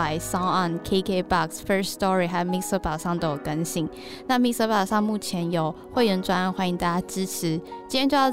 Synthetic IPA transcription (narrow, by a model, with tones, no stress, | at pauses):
a˧˥ɪsa˥ɑ˥˩nkʰe˧˥kʰe˥˧ɪbɑ˥˨ksfə˥˧sstɔ˦ɹi˨ɦa˧˥ɪmi˥˩sə˧˥pɑ˨˩ʊʂɑ˥˩ŋt̪o˥jo˨˩kə˥nɕi˥˦ŋ | na˥˧˨mi˥sə˧˥pɑ˨˩ʊʂɑ˥˧ŋmu˥˩t͡ɕʰjɛ˧˦njo˨˩ʊ | xwe˥˩ɪɥə˧˥nʈ͡ʂwa˥nə˥˧nxwa˥ni˧ŋt̪a˥˩t͡ɕja˥ʈ͡ʂɻ̩˥ʈ͡ʂ̩ʰ˨˦t͡ɕi˥ɛ˥t͡ɕo˥˧jɑ˥˧˩